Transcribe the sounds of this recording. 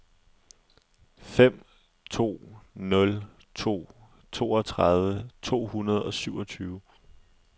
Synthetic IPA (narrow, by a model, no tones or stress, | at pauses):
fem̰ | t͡sʰo̝̰ːnɔ̽l | t͡sʰo̝̰ː | t͡sʰo̝̰ːɒ̽t͡sʰʁaðˠʋət͡sʰo̝̰ːhunɐð̞ˠɒ̽syʊɒ̽t͡sʰyːʊə